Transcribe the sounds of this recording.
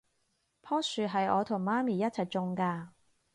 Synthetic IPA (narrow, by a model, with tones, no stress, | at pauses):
pʰɔː˥syː˨ɦɐ˨jɔː˨˧t̪ʰʊ˨˩ŋmaː˥miː˨jɐ˥t̚t͡sʰɐ˨jt͡sʊ˨˧ŋkaː˧